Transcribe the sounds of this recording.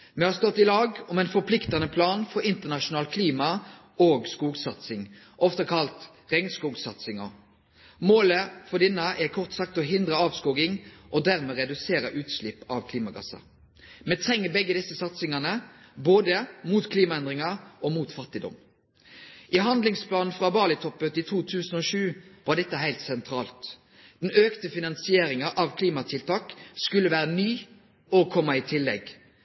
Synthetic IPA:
mɛhɑɾst̪ɔt̪ːɪlɑːɡɔmɛɪnfɔpʰlɪkt̪ɑnəpʰlɑːnfɔɾɪnt̪əʁnɑʂʊnɑːlkʰliːmɑ | oːɡskuːɡsɑt̪sɪŋ | ʔɔft̪ɑkʰɑlt̪ | ʁɛŋnskuːɡsɑt̪sɪŋɔ̰ | moːləfɔd̪ɪnːɑʔɛkʰɔʁt̪sɑk̚t̪ɔɦɪnd̪ʁəɑːʋskuːɡɪŋʔɔd̪æʁmɛːʁɛd̪ʉseːɾəʔʉːt̪slɪpːɑʋkʰliːmɑɡɑ̰sɑ̰ | mɛt̪ʰʁɛŋːəbɛɡːəd̪ɪsːəsɑt̪sɪŋɑnəboːd̪əmuːt̪kʰliːmɑɛnd̪ʁɪŋɑɾɔmuːt̪fɑt̪ɪd̪ɔ̰m | ʔɪɦɑnd̪lɪŋspʰlɑːnn̩fɾɑːbɑːlɪt̪ʰɔpːət̪ɪt̪ʰuːt̪ʰʉːsən̩ɔʂʉːʋɑɾɖ̪ɛt̪ːəɦæɪlt̪sɛnt̪ʰɾɑːlt̪ | d̪̥nøːkt̪əfɪnɑnsɪeːɾɪŋɑʔɑʋkʰliːmɑt̪ʰɪlt̪ʰɑːkskʉlːəʋæːɾənyː | okʰɔmːɑɪt̪ʰɪlːɛ̰ɡ

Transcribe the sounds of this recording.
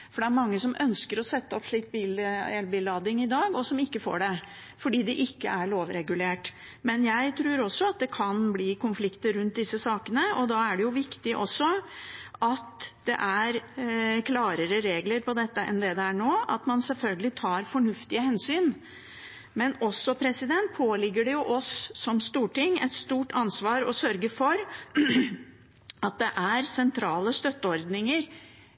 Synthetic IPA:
fɔɖɛæɾmɑŋːəsɔmʔœnskəɾɔsɛt̪ːəɔpʂɭiːk̪̚biːlɛlbiːlɑːd̪ɪŋɪd̪ɑːɡɔsɔmɪkːəfo̰ːɖɛ | fɔɖiːd̪ɛʔɪkːə̰æɭoːʋɾɛɡʉleːʈ | mɛnjæɪt̪ʰɾʉːɾɔsːɔɑt̪̚d̪ɛkʰɑnbliːkʊnflɪkt̪əɾʉnt̪̚d̪ɪsːəsɑːkənəɔd̪ɑæɖɛjʊʋɪkt̪ɪʔɔsːɔʔɑt̪d̪̥ɛ̰ʔæɾkʰlɑːɾəɾəɾeːɡləɾpɔd̪ɛt̪ːəʔɛnd̪ɛd̪ɛæɳoːʔɑt̪mɑnsɛlfœlɡəlɪt̪ʰɑːɾfɔɳʉft̪ɪəhɛnsyːn | mɛnɔsːɔpʰɾɛsɪd̪ɛnt̪̚pʰoːlɪɡːəɖɛjʊʔɔsːɔmst̪uːʈɪŋːɛ̰t̪st̪uːʈɑnsʋɑːɾɔsœɾɡəfɔɾ | ɑt̪̚d̪ɛʔæɾsɛnt̪ʰɾɑːləst̪œt̪ːəɔɾd̪nɪŋəɾ

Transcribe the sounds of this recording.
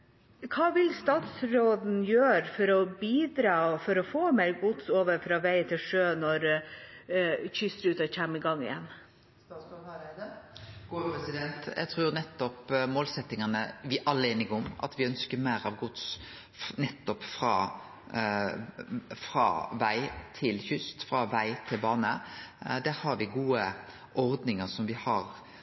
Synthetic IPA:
kʰɑːʋɪlst̪ɑːt̪sɾoːd̪n̩jøːɾfɔɾɔbiːd̪ɾɑːfɔɾɔfoːmɛɪɡʊt̪soːʋəɾfɾɑːʋæɪt̪ʰɪlʂøːnɔɾ | çʏsəɾʉːt̪ɔçæmɪɡɑŋːɪ̰jɛ̰n | ɡpɾɛsɪd̪ɛnt̪jæ̰t̪ʰʁuːɾnɛt̪ːɔpmoːlsɛt̪ːɪŋənəʋɪʔɑlːəeːnɪɡəɔmɑ̰t̪ʋɪœnskəɾmæɪɾɑʋɡʊt̪s | nɛt̪ːɔpfɾɑː | fɾɑ̰ʋæɪt̪ʰɪlçʏst̪fɾɑʋæɪt̪ʰɪlbɑːnəd̪æːɾhɑɾʋɪɡuːə | ʔɔɾd̪nɪŋəsɔmʋɪhɑɾ

